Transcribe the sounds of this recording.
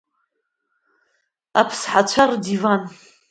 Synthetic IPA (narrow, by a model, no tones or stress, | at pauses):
apʰsħat͡ɕʷʰardivan